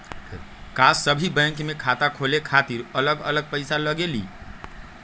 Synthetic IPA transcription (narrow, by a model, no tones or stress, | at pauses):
kasəbʱibə̃ŋkmekʰat̪akʰolekʰat̪iɾələɡə̰ləɡ̚pəɪsaləɡelḭ